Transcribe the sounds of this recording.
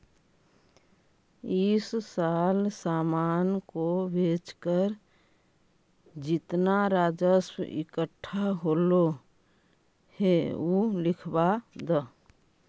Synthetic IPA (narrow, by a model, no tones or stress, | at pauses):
ɪssaːlsaːmaːnkobʱeːt͡ʃkəɾ | d͡ʒɪt̪naɾaːd͡ʒəsɪ̰kəʈʰːaɦolo | heulɪkʰbad̪ə